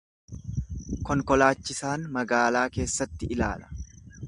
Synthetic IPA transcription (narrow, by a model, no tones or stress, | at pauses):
kɔŋkɔlaːt͡ʃːɪsaːnmɐɡaːlaːke̞ːsːɐt̪ːɪɪla̰ːlɐ̥